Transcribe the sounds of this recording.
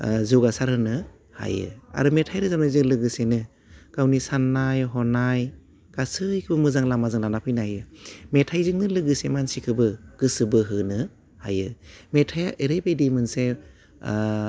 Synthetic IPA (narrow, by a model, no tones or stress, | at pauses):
zuɡasaɾɦɯnɯ | ha̰jɯ̰a̰ɾɯmetʰajɾɯzamnɯzɯŋlɯɡɯsenɯ | kawnisanːajɦɔnaj | kasɯjkʰɯbɯmɯzaŋlamazaŋlanapʰɯjnajɯmetʰajzɯŋnɯlɯɡɯsemansikʰɯbɯɡ̥ɯsɯbɯɦɯnɯ | hajɯmetʰajʔeɾejbejdimɯnse